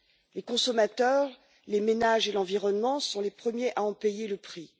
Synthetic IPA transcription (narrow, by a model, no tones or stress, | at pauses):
lekɔ̃sɔmat̪œʁ | lemenaʒelɑ̃viʁɔnmɑ̃sɔ̃lepχəmjeʔaɑ̃pejeləpχi